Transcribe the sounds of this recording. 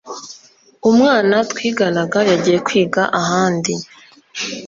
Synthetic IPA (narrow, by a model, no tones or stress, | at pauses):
umŋaːnatwiːɡanaɡajaɟiːje̞kwiːɡaʔaɦaːndi